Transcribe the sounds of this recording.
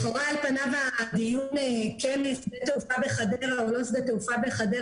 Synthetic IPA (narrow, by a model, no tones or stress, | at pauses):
χoʁaalpanavad̪ijunekenisd̪et̪eufabeχad̪eʁaolo̞isd̪et̪eufabeχad̪e